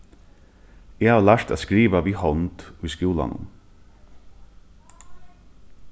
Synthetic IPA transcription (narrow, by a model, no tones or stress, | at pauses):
eːhaːʋlæɹt̪aːskɾiːʋaʋiːhɔnt̪ujskjuːla̰nʊ̰n